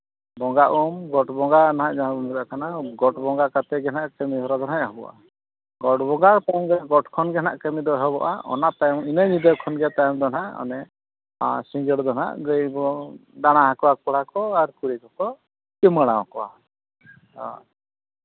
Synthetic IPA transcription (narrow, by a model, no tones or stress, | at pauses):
bɔŋɡaʔumɡɔʈbɔŋɡanaɦãʔd͡ʒaabɔmɾaʔkanaɡɔʈbɔŋɡakat̪ɛɡɛnaʔkəmiɦɔɾad̪ɔnaʔɦɔbɔʔa̰ | ɡɔʈbɔŋɡat̪ajmɡɛɡɔʈkʰɔnɡɛnaʔkəmid̪ɔɦɛbɔʔa̰ɔ̰naʔt̪ajminɛɲid̪əkʰɔnɡɛt̪ajmd̪ɔnaʔɔ̰nɛ | siŋɡəɽd̪ɔna̰ʔɡəjbɔɖanaɦakɔwakɔɽakɔaɾkuɾɛkɔkɔ | kiməɽ̃awkɔwa̰ | a̰